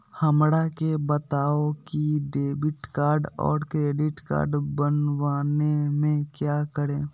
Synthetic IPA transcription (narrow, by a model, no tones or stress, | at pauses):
həmɽakebət̪aːokiɖeːbɪʈkaːɾɖɔ̰ːɾkɾeːɖɪʈka̰ːɾɖbənwaːnemẽkjaːkəɽẽː